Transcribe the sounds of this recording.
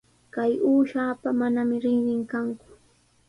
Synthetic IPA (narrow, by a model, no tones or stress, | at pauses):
kajuːʃaːpamanamɪɾɪŋɾɪŋkaŋkʊ̥